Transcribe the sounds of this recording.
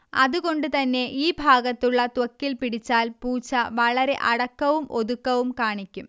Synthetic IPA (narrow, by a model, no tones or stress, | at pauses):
ɐðuɣo̞ɳɖɨt̪ɐnːe̞ʔiːbʱaːɡɐt̪ːuɭːɐt̪wɐkːilpiɽit͡ɕːaːlpuːt͡ɕːɐʋɐɭɐɾe̞ʔɐɽɐkːɐʋumʔo̞ðukːɐʋumkaːɳikʲːum